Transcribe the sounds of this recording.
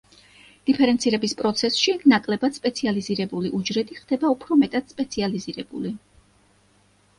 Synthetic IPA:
d̪̥ipʰɛɾɛnt̪sʰiɾɛbispʼɾɔt̪sʰɛsʃikʰnakʼlɛbad̪̥spʼɛt̪sʰializiɾɛbuliʔud͡ʒɾɛd̪iχd̪̥ɛbaupʰɾɔmɛt̪ʼad̪̥spʼɛt̪sʰializiɾɛbṵli

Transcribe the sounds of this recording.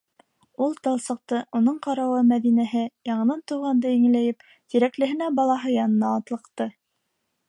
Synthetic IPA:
ulˠt̪ɤ̆lˠsɤ̆q̚t̪ɤʔunɤɴqɑɾɑwɤmæðinæɦɘjɑɴɤ̆nɑnt̪uʁɑnd̪ɤiŋ̆læjɘp | t̪iɾæklɘ̆ɦɘ̆næbɑlˠɑɦɤjɑnɤ̆nɑːt̪lˠɤ̆qt̪ɤ

